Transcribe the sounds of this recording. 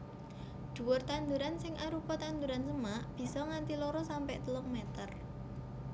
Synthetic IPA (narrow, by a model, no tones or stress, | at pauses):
d̪̥ṳwʊrt̪and̪uɾansɪŋʔaɾupɔt̪and̪uɾansəmaʔb̥i̤sɔŋant̪ilɔɾɔsampɛʔt̪əlɔŋmɛt̪ər